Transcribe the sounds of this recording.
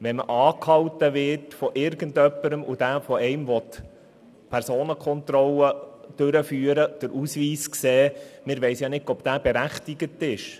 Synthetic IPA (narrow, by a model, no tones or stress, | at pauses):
ʋɛmə̰ʔɑːkhɑwtəʋɪɾtfɔʔɪɾɡ̥əndœpːəɾəmʔud̥æːfɔɛɪmʋɔt | pʰæɾsoːnəkʰɔnt̪ɾɔləd̥øɾəfyːəɾəd̥əɾʔusʋiːskseːmɪɾʋɛɪsjɑnɪtɔb̥d̥̪æːb̥eɾæχtiɡətɪʃ